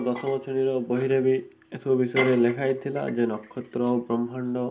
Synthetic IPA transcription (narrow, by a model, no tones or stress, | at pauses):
d̪ɔsɔmɔt͡ʃʰɔɽ̃iɾɔbɔɦiɾebi | esʰɔbisɔjɔɾelekʰajt̪ʰila̰d͡ʒenɔkʰːɔt̪ɾɔbɾɔmʱaɳɖɔ